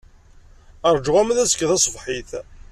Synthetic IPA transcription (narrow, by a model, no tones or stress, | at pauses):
əɾˤd͡ʒʁæmðæsə̥kːðæsˤvħiθ